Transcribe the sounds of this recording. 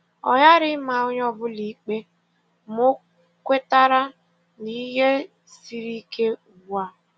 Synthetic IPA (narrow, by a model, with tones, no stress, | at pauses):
ɔ̰˨ja˦ɾɪ˦ma˨ʊ˦ɲɔ˦bʊ˦li˨˦k͡pe˦ | mo˦ | kʷe˦ta˦ɾa˦ | ni˦ɦe˦ | si˨ɾi˦kʰe˦˨ɡ͡bu˨a˦˨